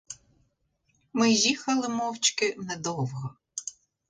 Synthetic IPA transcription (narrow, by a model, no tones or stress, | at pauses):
mɪjixɐlˠɪmɔwt͡ʃkɪnɛd̪ɔwɦɔ